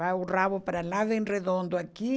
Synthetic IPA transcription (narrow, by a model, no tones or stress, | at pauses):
auraβʊpaɾalaðenreðõnd̪ʊaki